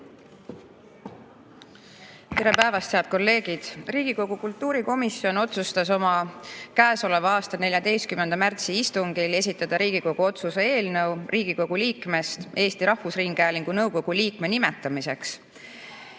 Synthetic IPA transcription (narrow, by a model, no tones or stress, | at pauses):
t̪e̞ɾe̞pæevɑst̪heɑd̪̥̚ko̞lːe̞ːɡ̥id̪̥riːɡ̥iko̞ɡ̥ukult̪ːuːɾiko̞misjo̞no̞t̪sust̪ɑso̞mɑkæːso̞le̞vɑɑːst̪ɑne̞lʲjɑd̪e̞jst̪̚kymːend̪ɑmært̪siist̪uŋɡ̥ile̞s̬ʲit̪ːˑɑd̪ɑɾiːɡ̥iko̞ɡ̥uo̞t̪suse̞e̞ːlnɤwriːɡ̥iko̞ɡ̥uliːkˑme̞st̪e̞ːst̪iɾɑhvusriŋɡ̥æːliŋɡ̥unɤwko̞ɡ̥uliːkme̞nimɛt̪ːˑɑmise̞ks